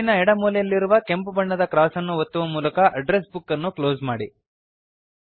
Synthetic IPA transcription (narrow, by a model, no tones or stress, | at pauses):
inɐɛɽɐmuːlɛjɐlːiɾuʋɐkempubɐɳːɐd̪ɐkɾaːsɐnːuʋot̪ːuʋɐmuːlɐkɐʔɐɖɾesbukːɐnːuklo̞ːzmaːɽi